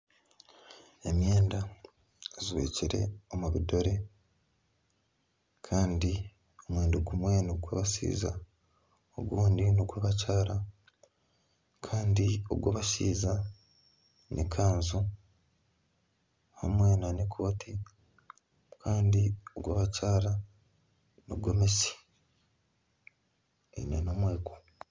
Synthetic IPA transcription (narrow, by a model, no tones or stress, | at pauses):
e̞mjeːnda | zwḛciɾe̞̰o̞muβido̞ɾe̞ | kʰaːndi | o̞mweːnduɡumwe̞nuɡwaβaʃḭːza̰ | o̰ɡwuːndinoɡwaβacaːɾa | kʰaːndio̞̰ɡwaβasiːza | nʔḭkʰaːnzu | ha̰mwe̞ːnanikʰo̞ːtʰi | kʰaːndio̞̰ɡwaːβat͡ʃaːɾa | noɡwomesi̥ | ḛnenomweːko̥